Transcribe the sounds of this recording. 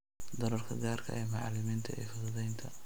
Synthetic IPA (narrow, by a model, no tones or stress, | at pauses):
d̪ɐɾɔrkʰɐɡaːrkʰɐ̰ʔɛːmɑʕɑlɪmiːnt̪ʰɐʔɛːfɐðɐðɛjnt̪ʰɐ